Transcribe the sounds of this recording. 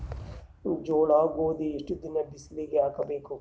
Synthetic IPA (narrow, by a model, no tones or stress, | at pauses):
d͡ʒoːɭaːɡoːd̪iiʂʈud̪inɐbisliɡeaːkɐbeːku